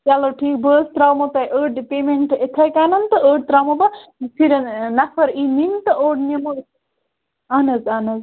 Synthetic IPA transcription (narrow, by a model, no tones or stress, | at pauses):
t͡ʃaloʈʰiːk̚bəːst̪ɾawmot̪ɐjʔəːɖpeːmeɳʈet̪ʰɐjkaːnɐnt̪ɨəːɖ̚t̪ɾaːmɐbɐsʰiɾnɐfʰɐɾiːnint̪ɨoːɖnemo | ɐːnɐzaːnɐz